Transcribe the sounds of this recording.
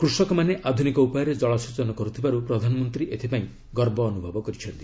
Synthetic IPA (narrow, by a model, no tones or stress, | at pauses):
kɾusɔkɔmaneʔad̪ʱunikɔupɔjɔɾed͡ʒɔɭɔsut͡ʃɔnɔkɔɾut̪ʰibaɾupɾɔd̪ʱanɔmɔnt̪ɾiʔet̪ʰipaĩ | ɡɔɾbɔːnubʱɔbɔkɔɾit͡ʃʰɔɾd̪i